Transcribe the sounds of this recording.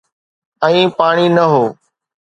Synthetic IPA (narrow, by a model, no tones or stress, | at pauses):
ə̃ĩːpaːɽ̃iːnəɦoː